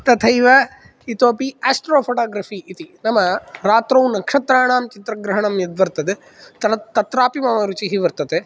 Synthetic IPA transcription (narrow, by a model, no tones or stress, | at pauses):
t̪ɐt̪ʰɐjʋɐ | it̪oːpiaːsʈɾoːpʰoʈaːɡɾɐfiːʔit̪inɐmɐɾaːt̪ɾɐwnɐkʂɐt̪ɾaːɳaːmt͡ʃit̪ɾɐɡɾɐɦɐɳɐmjɐd̪ʋɐɾt̪ɐd̪e | t̪ɐnɐt̪ːɐt̪ɾaːpimɐmɐɾut͡ʃiɦiʋɐɾt̪ɐt̪e